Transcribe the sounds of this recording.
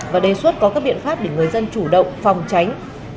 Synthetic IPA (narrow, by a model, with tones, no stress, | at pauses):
vaː˨˩ɗe˨˩swə˦˥t̚kɔ˨˦kaː˦˥k̚ɓḭ˧˨ənfaː˦˥p̚ɗe˧˩ŋɨ˨˩əjzə˧nt͡ɕu˧˩ɗə̰˧˨wŋ͡mfa˨˩wŋ͡mt͡ɕa˨˦jŋ̟